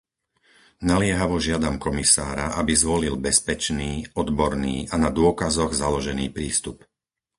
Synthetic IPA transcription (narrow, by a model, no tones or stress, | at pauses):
nalɪɛɦaʋɔʒɪad̪amkɔmisaːɾaʔabizʋɔlilbɛspɛt͡ʃniːɔd̪bɔɾniːʔanad̪ʊɔkazɔɣzalɔʒɛniːpɾiːst̪up